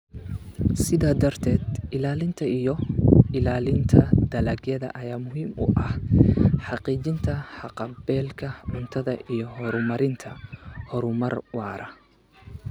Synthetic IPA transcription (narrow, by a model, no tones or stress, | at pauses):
sɪðaːd̪ɐrt̪ʰɛːd̪ɪlaːlɪnt̪ʰɐijɔɪlaːlɪnt̪ʰɐd̪̥ɐlɐɡjɐðɐ̰ʔɐjaːmʊɦiːmʊ̰ʔɐhħɑqiːt͡ʃɪnt̪ʰɐħɑqɑbɛːlkʰɐʕʊnt̪ʰɐðɐʔijɔhɔɾʊmɐɾɪnt̪ʰɐhɔɾʊmɐrwɑːɾʔɐ